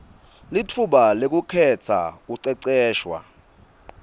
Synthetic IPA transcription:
litʰuɓalek̬ʼukʰɛt͡sʰa̰kuǀɛǀɛːʃwa̰

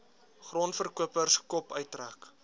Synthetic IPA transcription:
χrɔːnfərkuəpərskɔpœɥtræːk

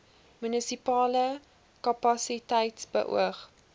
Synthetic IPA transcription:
mynisipɑːlə | kɐpɐsitɛjtsbə̰ʔṵəχ

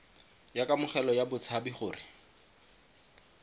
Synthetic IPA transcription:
jakʼamʊχɛlɔjabʊt͡sʰabiχʊːrɪ

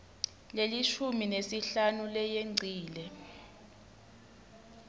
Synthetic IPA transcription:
leliʃuminesiɬanulɛjeŋ͡ǀʱiːlɛ

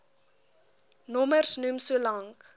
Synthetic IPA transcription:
nɔmərsnumsuəlɐŋk

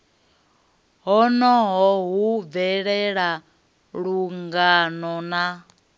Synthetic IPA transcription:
ɦɔnɔɦɔɦuvɛɺɛɺa | ɺuŋɡanɔna

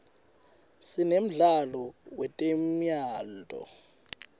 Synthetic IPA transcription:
sinem̩ɮalɔwɛtʼemjaːldʱʼɔ̰

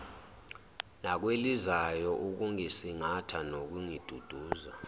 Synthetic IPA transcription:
nak̬welizajɔʔuk̬uŋisiŋatʰanok̬uŋid̥ʱud̥ʱuːza

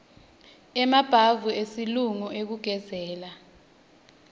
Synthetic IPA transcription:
ɛmab̥ʱavuesiluŋɔʔek̬uɡ̥ʱɛzɛːla

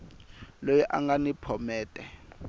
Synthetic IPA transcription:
lojiʔa̰ŋɡanipʰɔmɛːtʼɛ

